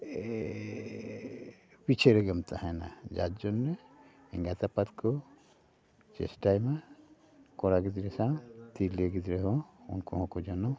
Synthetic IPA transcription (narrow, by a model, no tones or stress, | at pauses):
pit͡ʃʰeɾeɡəmt̪ahɛna̰d͡ʒa̰t̪d͡ʒɔnːe | ɛ̰ŋɡat̪apat̪kɔ | t͡ʃḛsʈajma | kɔɾaɡid̪ɾɛsãt̪iɾleɡid̪ɾeɦɔ̃ṵnkɔɦɔ̃kɔd͡ʒɔnɔ